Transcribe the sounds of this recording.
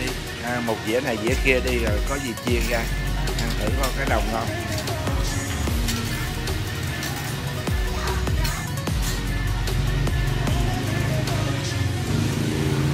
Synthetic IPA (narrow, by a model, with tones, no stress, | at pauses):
i˧ | ʔmo˨˩t̚zḭ˧˥əna˨˩jzḭ˧˥əxi˧əɗi˧zo˨˩jkɔ˨˦zi˨˩t͡ɕi˧əɣaː˧˨ʔaː˧ŋt̪ʰi˧˩jkɔ˨˦kaː˨˦jɗə˨˩wŋ͡mt̪ʰo˧j